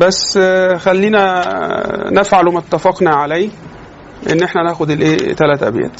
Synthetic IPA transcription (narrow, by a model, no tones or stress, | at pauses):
bæsːxælːiːnæ | nefʕalumt̪ːæfɑqnæʕalæj | ʔḛnːʔeħnænæːxod̪elʔeːt̪ælæːt̪ʔæ̰bjæ̰ːt̪